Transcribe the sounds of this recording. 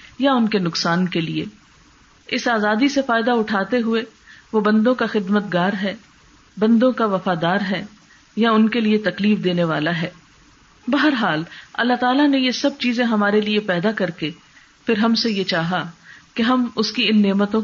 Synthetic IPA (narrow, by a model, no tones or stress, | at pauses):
jaʊnkenʊksaːnkeliḛ | ɪsaːzaːd̪isefaːɪd̪aʊʈʰaːt̪eɦʊeʋobɐ̃nd̪õkaxɪd̪mət̪ɡaːɾɦɛː | bɐ̃nd̪õkaʋɐfaːd̪aːɾɦɛː | jaʊnkeliet̪ɐkliːfd̪eːneʋaːlaɦɛː | bɐɦəɾɦaːlɐ̰lːat̪aːlanejesɐb̚t͡ʃiːzẽɦɐmaːɾeliepɛːd̪akɐɾke | fɪɾɦɐmsejet͡ʃaːɦakeɦɐmʊskiɪnːeːmət̪õ